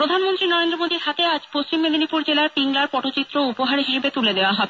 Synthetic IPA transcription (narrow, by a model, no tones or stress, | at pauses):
pɾod̪ʱanmont̪ɾinɔɾend̪ɾomod̪iɾɦat̪ead͡ʑpost͡ɕimːed̪ʱonipuɾd͡ʑelaɾpiŋlaɾpɔʈʰot͡ɕit̪ːɾoupoɦaɾɦiʃebet̪uled̪eoaɦɔbe